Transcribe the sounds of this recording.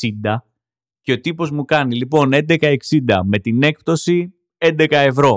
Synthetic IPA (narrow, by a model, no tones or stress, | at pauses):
ind̪ɐ | ceo̞t̪ipo̞zmukɐnilipo̞ne̞nd̪e̞kɐe̞ksind̪ɐme̞t̪ine̞k̚p̚t̪o̞si | e̞nd̪e̞kɐe̞vɾo̞